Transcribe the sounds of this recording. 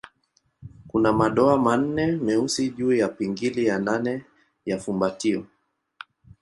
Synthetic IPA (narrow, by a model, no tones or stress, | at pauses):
kunamaɗɔaman̩nɛmɛusiʄuːjapiŋɡilijananɛ | jafumbatiɔ